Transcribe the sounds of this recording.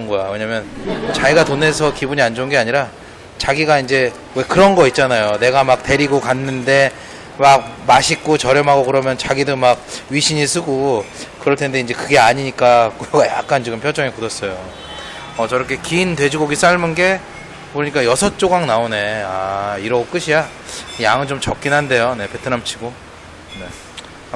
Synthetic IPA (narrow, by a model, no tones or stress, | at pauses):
nɡʌjawe̞ɲamjʌnt͡ɕaiɡatone̞s̬ʰʌkibuɲiand͡ʑonɡe̞aɲiɾa | t͡ɕaɡiɡaind͡ʑe̞ | we̞kɯɾʌnɡʌit̚t͡ɕ͈anajone̞ɡamak̚te̞ɾiɡokanːɯnde̞ | mak̚maɕʰik̚k͈ot͡ɕʌɾjʌmɦaɡokɯɾʌmjʌnt͡ɕaɡidomak̚ɥiɕʰiɲisʰɯɡokɯɾʌɭtʰe̞nde̞ind͡ʑe̞kɯɡe̞aɲiɲik͈akʌɡajak̚k͈ant͡ɕiɡɯmpʰjʌd͡ʑʌŋekodʌs͈ʌjo | ʌt͡ɕʌɾʌkʰe̞kiːndwe̞d͡ʑiɡʌɡis͈aɭmɯnɡe̞ | kɯɾɯɲik͈ajʌsʰʌt͡ɕ͈oɡaŋnaone̞aiɾʌɡok͈ɯɕʰija | jaŋɯnt͡ɕomt͡ɕʌk͈inɦande̞jone̞pe̞tʰɯnamt͡ɕʰiɡo | ne̞